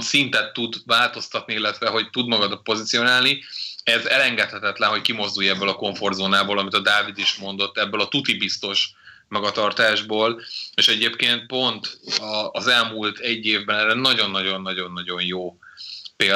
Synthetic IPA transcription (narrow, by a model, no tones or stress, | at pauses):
sint̪ɛt̪ːud̪vaːlt̪o̞st̪ɒt̪niilːɛt̪ʋɛɦo̞ct̪ud̪mɒɡɒd̪ot̪̚po̞zit̪sijo̞naːlniɛzɛlɛŋɡɛt̪hɛt̪ɛt̪lɛnɦo̞ckimo̞zd̪ujɛbːøːlɒko̞ɱfo̞rd̪zoːnaːboːlɒmit̪ɒd̪aːvid̪iʃmo̞nd̪o̞t̪ːɛbːøːlɒt̪ut̪ibist̪o̞ʃ | mɒɡɒt̪ɒrt̪aːʒboːleʃɛɟeːpkeːnt̪̚po̞nt̪ɒːzɛlmult̪ʰɛɟːeːvbɛnɛɾɛnɒɟo̞nːɒɟo̞nːɒɟo̞nːɒɟo̞njoːpeː